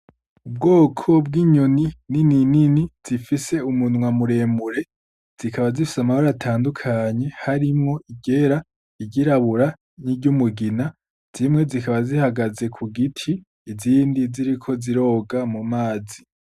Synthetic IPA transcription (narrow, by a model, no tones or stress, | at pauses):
ub̚ɡo̞ːkʰo̞bɡiːɲo̞nininininiz̥ifise̞umunŋamuɾe̞ːmuɾe̞ | z̥ikʰaβazifi̥samahoɾatʰaːndukʰaːɲe̞haɾimŋo̞iɟe̞ɾa | iɟiɾaβuɾa | niɟumuɡina | z̥imŋe̞zikaβazihaɡaze̞kʰuɡitʰiː | ziːndiziɾikʰo̞ziɾo̞ːɡamumaːzi